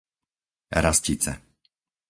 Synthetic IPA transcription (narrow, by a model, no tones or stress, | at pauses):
ɾascit͡sɛ̰